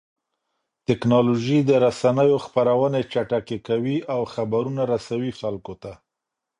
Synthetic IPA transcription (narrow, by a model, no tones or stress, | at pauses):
t̪ɪknɑloʒid̪əɾasanəjoxpaɾawənet͡ʃaʈakekawiawxabaɾunaɾasawixalkot̪a